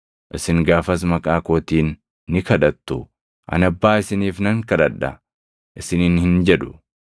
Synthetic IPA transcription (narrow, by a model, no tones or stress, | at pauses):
ʔɪsɪŋɡaːfɐs̬mɐkʼaːkoːt̪iːnː | ɪkɐᶑɐt̪ːʊ | ʔɐ̰nɐbːaːɪsɪniːfnɐŋkɐᶑɐᶑːɐ̰ | ʔɪsɪniːnhɪnd͡ʒɛᶑʊ